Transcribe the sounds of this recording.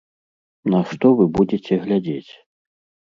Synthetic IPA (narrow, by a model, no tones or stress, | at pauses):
nɐʂt̪ɔvɨbud͡zʲet͡sʲɛɣlʲad͡zʲet͡sʲ